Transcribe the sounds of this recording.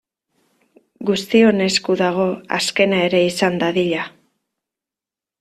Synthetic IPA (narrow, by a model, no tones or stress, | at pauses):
ɡust̪io̞ne̞skuðaɣ̞o̞a̰ske̞nae̞ɾe̞isand̪aðiʎa